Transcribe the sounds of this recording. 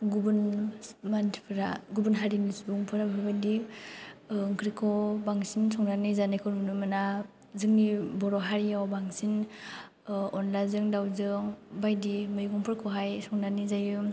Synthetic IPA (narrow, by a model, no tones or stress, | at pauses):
ɡubunmantʰpʰɾa̰ɡubunɦaɾinisbuŋpʰɯɾabʱaɾbajdi | ŋkʰɾikʰɔbaŋsinsɔŋnanizanajkʰɔɾmunumɯna | zɯŋnibɔɾɔɦaɾijawbaŋsin | ɔnlazɯŋdawzɯŋbajdimɯjɡuŋpʰɯɾkʰɔɦajsɔŋnanizajɯ